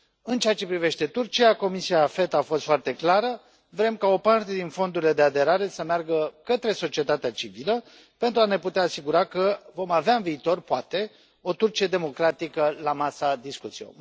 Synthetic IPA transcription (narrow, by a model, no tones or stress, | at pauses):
ɨnt͡ʃeat͡ʃe̞pɾive̞ʃt̪e̞t̪urt͡ʃijako̞misiafe̞t̪afo̞st̪foart̪e̞klaɾə | vɾe̞mkao̞part̪e̞d̪info̞nd̪uɾile̞d̪e̞ad̪e̞ɾaɾe̞səmearɡəkət̪ɾe̞so̞t͡ʃie̞t̪at̪eat͡ʃivilə | pe̞nt̪ɾuane̞put̪eaːsiɡuɾakəvo̞maveaɨnviːt̪o̞rpoat̪e̞ | o̞t̪urt͡ʃie̞d̪e̞mo̞kɾat̪ikəlamasad̪iskut̪sio̰